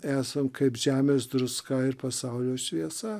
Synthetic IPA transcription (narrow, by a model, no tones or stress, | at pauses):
æːsɐmkɐɪpʒʲæːmʲeːs̬d̪ɾʊskɐɪɾpɐsɐʊlʲoːʃʲʋʲiɛsɐ